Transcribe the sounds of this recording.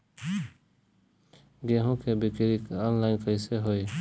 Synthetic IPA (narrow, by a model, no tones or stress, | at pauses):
ɡeːɦõkʰebɪkɪɾikɔːnlaːɪnkəɪseɦoːiː